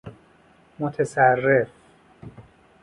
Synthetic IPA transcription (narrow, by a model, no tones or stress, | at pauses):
mot̪ʰesærːef